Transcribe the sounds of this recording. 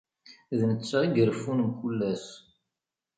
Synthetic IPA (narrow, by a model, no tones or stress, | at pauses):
ðnət͡sːaiɡəɾfunəmkulːæs